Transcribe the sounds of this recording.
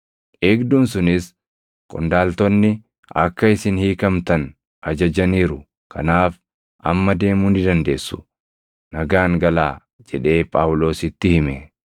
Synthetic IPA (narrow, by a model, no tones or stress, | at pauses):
ʔe̞ːɡd̪uːnsʊnɪs | kʼɔ̰nd̪aːlt̪ɔnːɪ | ʔɐkːɐɪsɪnhiːkɐmt̪ɐn | ʔɐd͡ʒɐd͡ʒɐniːɾʊ | kʰɐnaːf | ʔɐ̰mːɐd̪e̞ːmuːnɪd̪ɐnd̪e̞ːsːʊ̥ | nɐɡaːŋɡɐlaː | d͡ʒɛᶑe̞ːpʼaːwlo̞ːsɪt̪ːɪhɪmɛ